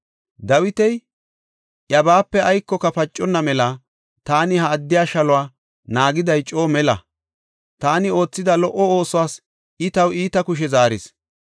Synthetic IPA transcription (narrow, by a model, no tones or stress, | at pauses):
d̪ɐwɪt̪ɛj | ʔjɐbaːpːɛɐjkːɔkɐfɐt͡ʃʼːɔnːɐmɛlɐ | t̪aːnɪhɐːd̪ːɪjaːʃɐlɔwaː | naːɡɪd̪ɐjt͡ʃʼo̞ːmɛlɐ̰ | t̪aːnɪo̞ːt͡sːɪd̪ɐlɔʔːɔo̞ːsɔwaːs | ɪt̪ɐwiːt̪ɐkʊʃ̬ɛzaːɾɪs